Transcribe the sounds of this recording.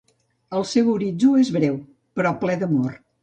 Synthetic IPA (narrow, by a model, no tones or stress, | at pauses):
əlˠsewuɾid͡zuezβɾɛw | pəɾɔplɛðəmor